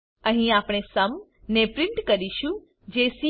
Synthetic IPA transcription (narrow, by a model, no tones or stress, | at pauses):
ə̃ɦĩaːpɽ̃esəmnepɾɪɳʈkəɾiʃũ | d͡ʒesi